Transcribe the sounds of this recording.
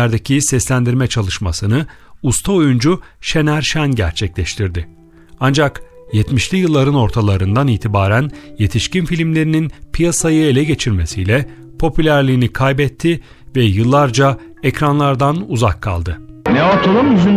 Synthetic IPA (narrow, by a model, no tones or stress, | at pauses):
æɾd̪ecʰisɛslʲænd̪iɾmɛt͡ʃʰalˠɯʃmasɯnɯ | ust̪ʰaojund͡ʒuʃenæɾʃænɟæ̰ɾt͡ʃʰɛclʲɛʃt̪ʰiɾd̪ɪ | and͡ʒakjɛt̪miʃlʲijɯlˠːaɾɯno̞ɾt̪ʰalˠaɾɯnd̪aniːt̪ʰibaːɾænje̞t̪ʰiʃcinfilʲimlʲe̞ɾininpʰijasajɯe̞lʲɛɟe̞t͡ʃʰiɾmesijlʲɛ | pʰo̞pʰylʲæɾlʲiːnikʰajbɛt̪ʰːi | vɛjɯlˠːaɾd͡ʒa | ecɾanlˠaɾd̪anuzakʰːa̰lˠd̪ɯnɛat̪ʰalˠɯmyzy